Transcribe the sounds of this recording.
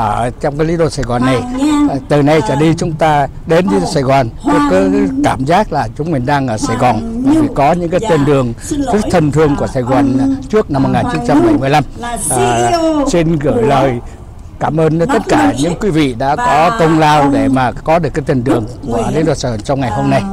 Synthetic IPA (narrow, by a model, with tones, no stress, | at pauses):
əː˧˩t͡ɕɔ˧ŋ͡mkaː˨˦jli˨˦ɗo˧˩saː˧˩jɣɔ˨˩nːa˨˩jt̪ɨ˨˩na˨˧˩jt͡ɕaː˧˩ɗi˧t͡ɕʊ˨˦ŋ͡mt̪aː˧ | ɗe˨˦nli˧˦ɗo̰˧˩saː˧˩jɣwɔː˨˩nɲɨ̰˨˦kɨ˨˦kaː˧˩mzaː˦˥k̚laː˨˩t͡ɕʊ˨˦ŋ͡mmi˨˩ŋɗaː˧ŋʔəː˧˩saː˧˩jɣɔ˨˩nmi˨˩fḭ˧˩kɔ˨˦ɲɨ̰˧˥kaː˨˦jt̪i˧ənɗɨ˨˩əŋzɨ˦˥k̚t̪ʰə˧˩nt̪ʰɨ˧əŋku˧˩əsaː˧˩jɣɔː˨˩nt͡ɕɨ˦˥ək̚na˧mːo˨˩t̚ŋaː˨˩nt͡ɕi˨˦ŋ͡mt͡ɕa˧mːa˨˩jmɨ˨˩əjla˧mː˨˩ | t͡ɕe˧nɣɨː˧˩jləː˨˩j | kaː˧˩mʔəː˧n˨˦t̪ə˦˥t̚kaː˧˩ɲɨ̰˧˥ŋkwi˨˦vḭ˧˨ɗa̰ː˧˥kɔ˨˦kə˧wŋ͡mlaː˧wɗe˧˩maː˨˩kɔ˨˦ɗɨ˨˩əkːt̪i˧˩nt̪ɨ˨˩əŋku˧˩əlḭ˨˦ɗo̰˧˩sa˧˩˨t͡ɕɔ˧wŋ͡mŋa˨˩jɦo˧mna˧j